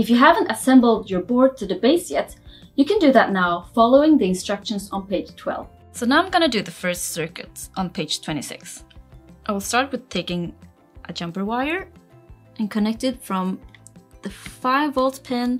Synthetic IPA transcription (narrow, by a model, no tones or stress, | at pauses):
ɨfjɨɦævə̃ntəsɛ̃mbl̩ˠdjə˞bɔɹd̚tʰɨðɨbeɪsjɛt | jɨkɨ̃ndɨðətⁿnaʊfɑlˠoʊɪ̃ŋðiɨ̃nstɹ̥ʌkʃə̃nzn̩peɪd̥ʒ̥tʰw̥ɛ̰lˠv̥ | soʊnaʊaɪ̃mɡʌñɨdɨðɨfɜ˞stsɜ˞kɨ̰tʔn̩pʰeɪd̥ʒ̥tʰw̥ɛ̃ɾ̃isɪ̰ksʔaɪwɪlˠstɑɹt̚wɨð̥tʰeɪkɪ̃ŋ | ʔəd͡ʒʌ̃mpə˞waɪə˞ | ʔɨ̃nkʰɨnɛk̚tɨd̥fɹʌ̃mðɨfaɪvɔlˠtpʰɛ̃n